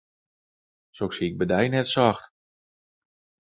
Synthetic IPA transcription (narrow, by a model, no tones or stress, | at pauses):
soksiɪɡ̚bədɛjnɛtsɑxt